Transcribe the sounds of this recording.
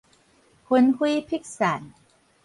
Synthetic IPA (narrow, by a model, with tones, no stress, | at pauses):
kʰu˧nhu˦˥pʰi˦˥k̚sa˩˦n